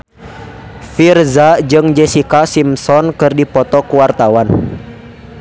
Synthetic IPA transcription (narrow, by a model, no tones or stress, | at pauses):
firzad͡ʒɨŋd͡ʒɛsikasimsɔnkɨrdipɔt̪ɔkuwart̪awan